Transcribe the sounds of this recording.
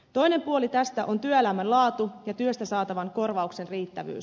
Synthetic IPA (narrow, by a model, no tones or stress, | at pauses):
t̪o̞jne̞mpuo̞lit̪æst̪æʔo̞nt̪yøelæmænlɑːt̪ujɑt̪yøst̪æsɑːt̪ɑʋɑŋko̞rʋɑukse̞nriːt̪ːæʋy̰ːs